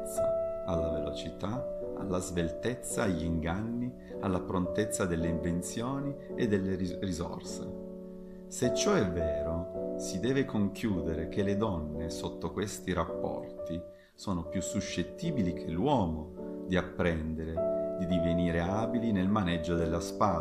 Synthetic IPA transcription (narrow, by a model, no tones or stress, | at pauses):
t̪ːaalːavelo̰t͡ʃit̪aa̰lːazvelt̪et̪sːaːʎːiŋɡanːi | alːapɾont̪et̪sːad̪elːeiɱvent̪sjoːnied̪ːelːerizo̰rsḛ | set͡ʃːɔɛvːɛːɾosid̪ɛːvekoŋkjuːd̪eɾek̟eled̪ɔnːesot̪ːokwest̪iɾapːɔ̰rt̪i | soːnopjusːuʃːet̪ːiːbilikʰelːwɔːmod̪iapːɾɛnd̪eɾed̪id̪iveniːɾeaːbilinelmanɛd͡ʒːod̪elːaspaː